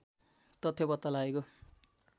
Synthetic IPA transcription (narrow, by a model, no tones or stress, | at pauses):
t̪ʌt̪ʰjobʌt̪ːʌlaeko